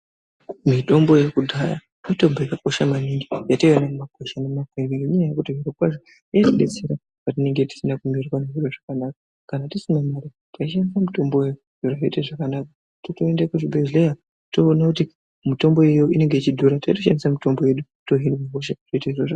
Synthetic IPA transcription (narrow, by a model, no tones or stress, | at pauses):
mito̞mbo̞je̞kudʱaja | mito̞mbo̞jakako̞ʃamaniŋɡijatoianakumako̞ʃanemakerieɲaajakutoɦiɾakwaʐo | iatiɗet͡se̞ɾa | patine̞ŋɡe̞ti̥sinakumirikwaneʐireʐakanakḁ | kanatisumamaɾi | tkaiʃamisamuto̞mbojejod̥ʱoraɦeiteʐakanaka | totoendakuʐibʱezleja | to̞ːnakuti | muto̞mbo̞jejo̞ʔine̞ŋɡe̞it͡ʃidʱuɾataito̞ʃamisamuto̞mbo̞je̞ɗuto̞ɦinimakoʃ̬atoiteiʐoʐa